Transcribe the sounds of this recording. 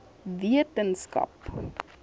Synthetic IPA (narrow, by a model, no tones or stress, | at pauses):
viətənskɐ̰p